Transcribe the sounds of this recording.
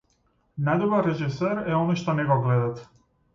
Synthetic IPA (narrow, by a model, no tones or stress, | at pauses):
najd̪ɔbaɾɾɛʒisøɾɛɔnɔjʃt̪ɔnɛɡɔɡlɛd̪at̪